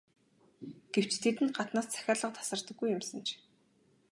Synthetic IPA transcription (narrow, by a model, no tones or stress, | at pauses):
ɡ̥ew̥t͡ɕt̪ʰet̪ɘ̆nɢat̪naːst͡sʰæ̥xʲaːrɮə̆q̚t̪ʰḁsə̆r̥t̪ə̆ɡːujʊmsə̆nt͡ɕʰ